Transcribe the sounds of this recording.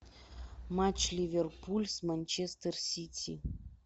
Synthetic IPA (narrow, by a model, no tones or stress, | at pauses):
mat͡ɕlʲivʲerpulʲsmanʲt͡ɕest̪ərsʲitʲʰi